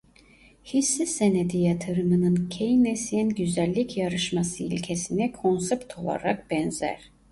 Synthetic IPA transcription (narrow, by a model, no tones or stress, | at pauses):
hisːisened̪ijat̪ʰɯɾɯmɯnɯncʰejinesijɛnɟyzælʲːicʰjaɾɯʃmasɯḭlʲcʰesinikʰo̞nsɛpt̪ʰo̞lˠa̰ɾak̚bɛnzæ̰ɾ̥